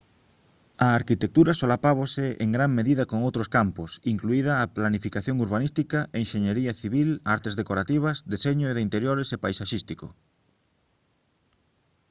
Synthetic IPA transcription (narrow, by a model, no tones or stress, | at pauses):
aːɾkit̪ek̚t̪uɾasolapaβ̞oseʔḛŋɡɾaŋmeðiðakoŋowt̪ɾoskamposiŋkluiðaːplanifikaθjoŋuɾβ̞anist̪ikaʔeŋʃeɲeɾiaθiβilaɾt̪ezðekoɾat̪iβ̞azd̪eseɲoeðeint̪eɾjoɾesepajsaʃist̪iko